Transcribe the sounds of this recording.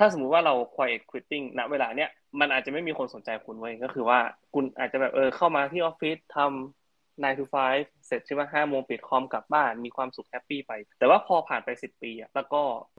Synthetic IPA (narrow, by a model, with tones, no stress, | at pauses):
tʰaː˥˩so˩˦mu˦˥t̪waː˥˩ɾa˧wkʰwaː˧jʔe˨˩kʰwi˦˥t̪ːi˥˩ŋna˦˥ʔweː˧laː˧ni˦˥ɐ | ma˧nʔaː˨˩t͡ɕa˨˩ma˥˩jmiː˧kʰo˧nso˩˦nt͡ɕa˧jkʰu˧nwjkɔː˥˩xʰɯː˧waː˥˩kʰu˧nʔa̰ː˨˩t̪̚t͡ɕa˨˩bɛː˨˩p̚ʔɤː˧kʰa˥˩wmaː˧t̪ʰiː˥˩ʔɔː˦˥fi˦˥t̪ʰːa˧m | naː˧jt̪ʰuː˧˥fʰaː˦˥jfse˨˩t̪̚t͡ɕʰi˥˩wa˥˩ɦaː˥˩moː˧ŋpi˨˩t̪̚kʰɔː˧˥mka˨˩p̚baː˥˩nmiː˧kʰwaː˧msu˨˩k̚hɛ˦˥pːiː˥˩pa˧jt̪ɛː˨˩waː˥˩pʰɔː˧pʰaː˨˩npa˧jsi˨˩pːiː˧ʔa˨˩ʔlɛː˦˥wkɔː˥˩